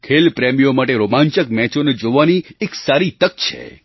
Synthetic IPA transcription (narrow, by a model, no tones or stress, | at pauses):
kʰelpɾɛmijomaʈeɾomãɲt͡ʃək̚mɛt͡ʃoned͡ʒoʋanieksaɾit̪ək̚t͡ʃʰḛ